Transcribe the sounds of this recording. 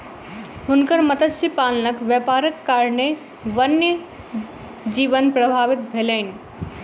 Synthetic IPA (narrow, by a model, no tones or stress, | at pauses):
ɦunkəɾmət̪əsipalnəkʋjəpaɾəkkaɾne | ʋənːjə | d͡ʒiʋənpɾəbʱabit̪̚bʱeləɪni